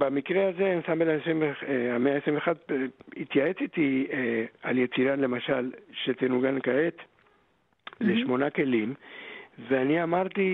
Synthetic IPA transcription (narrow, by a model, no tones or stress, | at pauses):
bamikʁeazenisambelaesimveeameaesivexad̪hit̪jaet͡sit̪i | aljet͡siɾanle̞maʃalʃet̪enuɡankaet | leʃmo̞nake̞lim | veaniamaʁt̪i